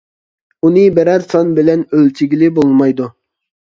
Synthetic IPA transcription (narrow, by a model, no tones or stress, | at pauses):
unɨbɪɾɛɾsɑnbɪlɛnølt͡ʃʰɪɡʲilɪbolˠmɑjd̪u